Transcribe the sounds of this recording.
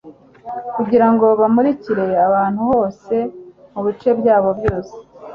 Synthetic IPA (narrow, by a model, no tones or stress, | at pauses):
kuɟiɾaŋɡo̞βamuɾiciɾe̞aβaːn̥huho̞ːse̞muβit͡ʃe̞bɟaːβo̞bjo̞ːse̥